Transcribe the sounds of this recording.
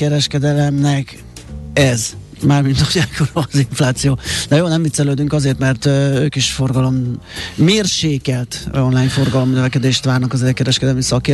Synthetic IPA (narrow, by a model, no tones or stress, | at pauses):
kɛɾɛʃkɛd̪ɛlɛmnɛk | ɛz | maːrmind̪oɟaːkoɾziɱflaːt̪sijoːnɛjoːnɛmvit̪sɛløːd̪yŋkɒzeːrt̪mɛrt̪øːkiʃfo̞rɡɒlo̞mː | eːrʃeːkɛlt̪o̞nlaːjnfo̞rɡɒlo̞mnøvɛkɛd̪eːʃt̪ʋaːrnɒkɒzɛlkɛɾɛʃkɛd̪ɛlmisɒkeː